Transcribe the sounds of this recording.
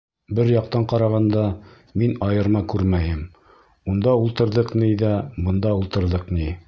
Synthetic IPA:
bɘɾjɑq̚t̪ɑɴqɑɾɑʁɑnd̪ɑ | minɑjɤ̆ɾmɑkʉɾmæjɘm | und̪ɑulˠt̪ɤ̆ɾðɤqniðæbɤ̆nd̪ɑulˠt̪ɤ̆ɾðɤqni

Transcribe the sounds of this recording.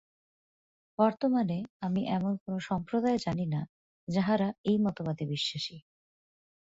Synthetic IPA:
b̥ɔɾt̪omaneamiʔɛmonkonoʃɔmpɾod̪aed͡ʑanina | d͡ʑaɦaɾaejmɔt̪obad̪ebiʃːaʃi

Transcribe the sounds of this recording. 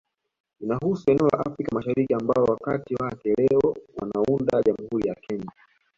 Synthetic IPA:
inaɦusuɛnɛɔla̰ʔafɾikamaʃaɾikiambaɔwakatiwakɛlɛɔwanaundaʄamuhuɾijakʰɛɲa

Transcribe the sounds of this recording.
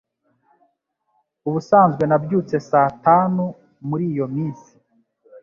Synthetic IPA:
uβusaːnzɡwe̞nabɟuːt͡se̞saːtaːnu | muɾiːjo̞miːnsi̥

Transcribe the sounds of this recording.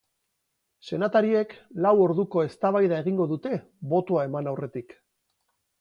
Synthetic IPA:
se̞nat̪aɾie̞klawo̞ɾðuko̞e̞st̪aβajðae̞ɣiŋɡo̞ðut̪e̞ | βo̞t̪oae̞manawre̞t̪ik

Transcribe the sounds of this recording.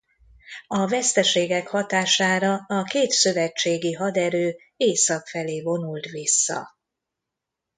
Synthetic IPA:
ɒvɛst̪ɛʃeːɡɛkhɒt̪aːʃaːɾɒɒkeːt̪søvɛt͡ʃːeːɡiɦɒd̪ɛɾøː | eːsɒkfɛleːvo̞nult̪ʋisːɒ̰

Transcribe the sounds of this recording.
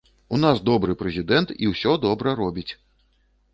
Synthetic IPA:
unasd̪ɔbɾɨpɾɛzʲid̪ɛnt̪iwsʲɔd̪ɔbɾɐɾɔbʲit͡sʲ

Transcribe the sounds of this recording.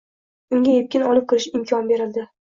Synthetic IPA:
ʊŋɡʲajep̚kʲɪnɒlˠɪp̚kʰɨɾɪʃɪmkʲʰɒnbe̞ɾɪld̪ɪ

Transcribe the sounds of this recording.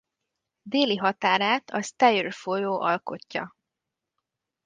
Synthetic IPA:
d̪eːliɦɒt̪aːɾaːt̪ʰɒst̪ɛjørfojoːʔɒlko̞̰cːɒ̰

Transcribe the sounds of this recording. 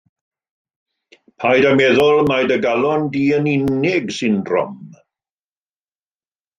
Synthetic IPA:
pʰajdamɛðʊlˠmajdəɡalˠɔndiːənɪnɪɡsɪndrɔ̰m

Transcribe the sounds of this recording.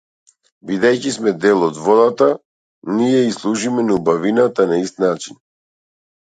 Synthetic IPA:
bid̪ɛjcismɛd̪ɛlˠɔd̪vɔd̪at̪a | nijɛislˠuʒimɛnubavinat̪anaist̪nat͡ʃin

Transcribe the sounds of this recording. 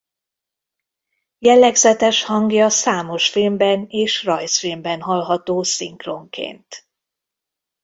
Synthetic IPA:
jɛlːɛɡzɛt̪ɛʃhɒŋɡjɒsaːmo̞ʃfilmbɛneːʃrɒjsfilmbɛnɦɒlɦɒt̪oːsiŋkro̞ŋkḛːnt̪

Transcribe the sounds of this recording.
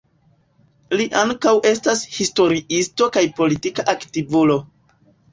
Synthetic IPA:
liʔaŋkawʔe̞stashisto̞ɾiisto̞kajpo̞litikaʔaktivulo̞

